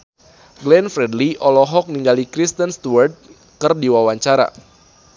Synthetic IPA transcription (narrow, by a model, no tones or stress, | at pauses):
ɡlɛnfɾɛdliʔɔlɔɦɔk̚niŋɡalikɾist̪ənst̪uward̚ | kɨrdiwawaɲt͡ʃaɾa̰